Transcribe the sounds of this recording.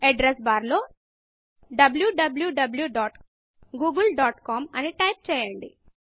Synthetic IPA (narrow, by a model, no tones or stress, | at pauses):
eɖɾesbaːɾlo̞ː | ɖɐbljuɖɐbljuɖɐbljuɖaːʈ | ɡuːɡulɖaːʈkaːmɐniʈɐjp̚t͡ʃɛːjɐɳɖḭ